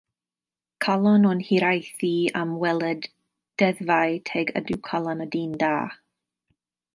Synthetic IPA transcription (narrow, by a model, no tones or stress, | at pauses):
kʰalˠɔnɔnhiɾajθiamwɛlˠɛd | d̥ɛðvajtʰeɡə̰dɪwkʰalˠanədiːndaː